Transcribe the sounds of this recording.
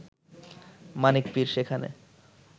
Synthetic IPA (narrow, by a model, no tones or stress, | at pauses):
manikpiɾʃekʰanḛ